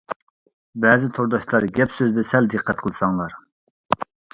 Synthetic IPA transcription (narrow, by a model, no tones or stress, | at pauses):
bɛːzɪt̪ʰoɾd̪ɑʃlˠɑɾɡʲɛpsøzd̪ɛsɛld̪ɨqʰːɛt̪̚qʰəlˠɨsɑŋlˠɑɾ